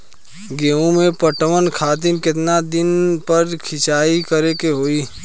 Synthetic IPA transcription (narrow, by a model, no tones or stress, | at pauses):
ɡeːũmẽpəʈʋənkʰaːt̪̬ɪnkɪt̪nad̪ɪnpəɾkʰɪt͡ʃaːikəɾekeɦoːiː